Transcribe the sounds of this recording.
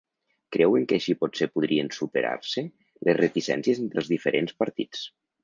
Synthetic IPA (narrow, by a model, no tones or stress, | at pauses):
kɾɛweŋkəːʃipɔtsepuð̞ɾiensupeɾa̰ɾse | lezret̪isɛ̰nsjezent̪ɾəlˠzðifeɾʔenspəɾt̪it͡s